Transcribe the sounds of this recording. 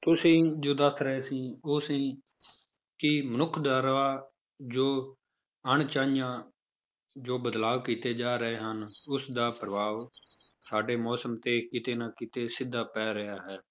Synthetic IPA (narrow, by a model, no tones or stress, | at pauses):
t̪ʊsĩːd͡ʒoːd̪ət̪ɾəɦeːsĩːʊsĩː | kɪmənʊkʰd̪aːɾəʋaː | d͡ʒoː | əɳt͡ʃaːnjãː | d͡ʒoːbəd̪laːʋkiːt̪eːd͡ʒaːɾəɦeːɦənʊsd̪aːpɾəbaːʋsaːɖeːmɔːsəmt̪eːkɪt̪eːnãːkɪt̪eːsɪd̪ːaːpɛːɾəaːɦɛː